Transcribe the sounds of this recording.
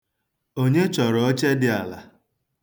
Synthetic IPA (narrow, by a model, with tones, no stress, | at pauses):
o˦ɲe˦t͡ʃɔ˨ɾɔ˨ɔ˦t͡ʃe˦dɪ˦a˨la̰˨